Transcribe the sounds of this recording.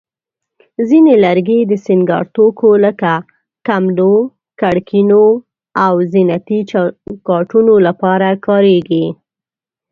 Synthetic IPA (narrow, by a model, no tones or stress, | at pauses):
zinelaɾɡed̪əsɪŋɡɑ̰ɾt̪okoləka | kamlo | kaɽkʰino | awzinat̪ikɑʈunolapɑɾakɑɾeɡi